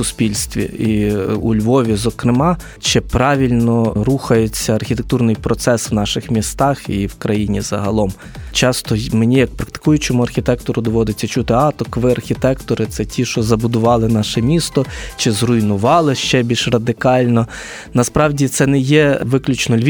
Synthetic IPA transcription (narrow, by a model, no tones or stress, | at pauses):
ʊspʲilʲst̪ʲʋʲḭiulʲʋɔʋʲizɔkɾɪmɑ | t͡ʃɪpɾɑʋʲilʲnɔɾuxɐjʊt͡sʲːɐɐrxʲit̪ek̚t̪urnɪjpɾɔt̪sɛsʋnɑʃɪxmʲist̪ɑxiwkɾɐjinʲizɐɦɐlˠɔm | t͡ʃɑst̪ɔmenʲijɐk̚pɾɐk̚t̪ɪ̥kujʊt͡ʃɔmuɐrxʲit̪ɛkt̪ɔɾʊd̪ɔʋɔd̪ɪt͡sʲːɐt͡ʃut̪ɪɑt̪ɔkʋɪɐrxʲit̪ɛkt̪ɔɾɪt̪sɛtʲʰiʃɔzɐbʊd̪ʊʋɑlˠɪnɑʃɛmʲist̪ɔt͡ʃɪzrʊjnʊʋɑlˠɪʃt͡ʃɛbʲilʃrɐd̪ɪkɑlʲnɔ | nɐspɾɑwdʲit̪sɛnɛjɛʋɪklʲʊt͡ʃnɔlʲʋʲ